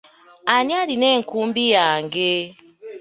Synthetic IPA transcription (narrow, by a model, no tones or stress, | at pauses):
anialinɛŋ̩kumbijaŋɡe